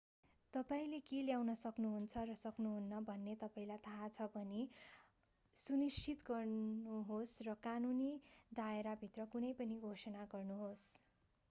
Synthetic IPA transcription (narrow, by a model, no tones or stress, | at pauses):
t̪ʌpaĩlekeljawnʌsʌknuɦunt͡sʰʌrʌsʌknuɦunːʌbʱʌnːet̪ʌpaĩlajt̪ʰat͡sʰʌbʱʌni | sunist͡ʃʰit̪ɡʌrnuɦosrʌkanunid̪aeɾabʱit̪rʌkunʌjpʌniɡʱosʌnaɡʌrnuɦos